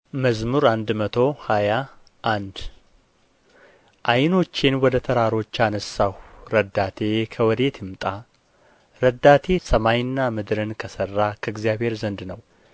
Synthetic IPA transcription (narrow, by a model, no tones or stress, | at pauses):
məzmuɾand̪mət̪ʰo̞haja | ʔand̪ | ʔajno̞t͡ʃːɪnwɔd̪ət̪ʰəɾaɾo̞t͡ʃːanəsːahɾəd̪ːat̪ʰe̞kʰəwɔd̪e̞t̪ʰɨmt̪ʼa | ɾəd̪ːat̪ʰe̞səmajnːamɨd̪ɾɨnkʰəsərːakʰəɨɡzjaβhe̞ɾzənd̪nəw